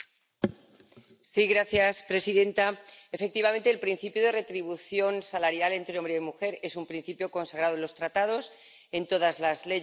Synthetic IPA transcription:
siɣɾaθjaspɾe̞siðe̞nt̪ae̞fe̞k̚t̪iβ̞ament̪eːlpɾĩn̟θipjoð̞e̞re̞t̪ɾiβ̞uθjo̞nsalaɾjale̞nt̪ɾeo̞mbɾeimuxe̞ɾe̞sumpɾin̟θipjo̞ko̞nsaɣ̞ɾaðoenlost̪ɾat̪að̞o̞s | e̞nt̪o̞ð̞azlazle̞

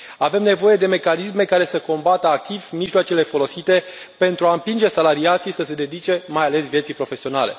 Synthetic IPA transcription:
ave̞mne̞vo̞je̞d̪e̞me̞kanisme̞kaɾe̞səko̞mbat̪əak̚t̪ivmiʒloat͡ʃe̞le̞fo̞lo̞sit̪e̞ | pe̞nt̪ɾuaɨmpind͡ʒe̞salaɾiat̪sijsəse̞d̪e̞d̪it͡ʃe̞majale̞svjt̪sijpɾo̞fe̞sio̞nale̞̰

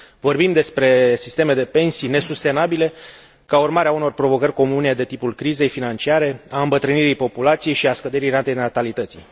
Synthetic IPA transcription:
vo̞rbimd̪e̞spɾe̞sist̪e̞me̞d̪e̞pe̞nsijne̞sust̪e̞nabile̞ | kaurmaɾeauno̞rpɾo̞vo̞kərʲko̞mune̞d̪e̞t̪ipulkɾize̞jfinant͡ʃiaɾe̞aɨmbət̪ɾɨniɾijpo̞pulat̪sije̞jʃiaskəd̪e̞ɾijrant̪enat̪alit̪ət̪sḭ

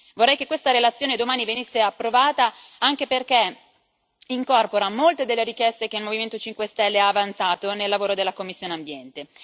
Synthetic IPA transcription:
vorːɛjkekːwest̪aɾelat̪sːjoːned̪omaːnivenisːeapːɾovaːt̪a | aŋk̟eperk̟e | iŋkɔrpoɾamːolt̪ed̪elːeɾik̟jɛst̪ek̟eilmoviment̪ot͡ʃiŋkwest̪ɛlːeaːvant̪saːt̪onelːavoːɾod̪elːakomːisːjoːneambjɛnt̪e

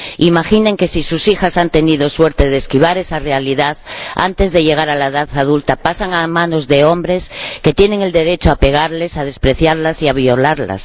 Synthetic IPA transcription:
imaxineŋke̞sisusixasant̪e̞niðo̞swe̞ɾt̪e̞ð̞eskiβ̞aɾe̞sare̞aliðaða̰nt̪e̞zðe̞ʝe̞ɣ̞aɾalaeðaθað̞ult̪apasaŋamãno̞zðe̞o̞mbɾe̞ske̞t̪je̞ne̞ŋe̞ld̪e̞ɾe̞t͡ʃoape̞ɣ̞aɾle̞sað̞e̞spɾe̞θjaɾlasiaβio̞laɾla̰s

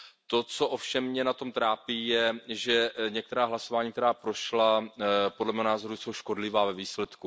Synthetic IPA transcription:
t̪o̞t͡so̞ʔofʃɛmːɲɛnat̪o̞mt̪ɾaːpiːjɛʒɛɲɛk̚t̪ɛɾaːɦlaso̞vaːɲiːk̚t̪ɛɾaːpɾo̞ʃlapodlɛmɛːɦonaːzo̞ɾujso̞wʃko̞dlɪvaːvɛviːslɛt̪ku

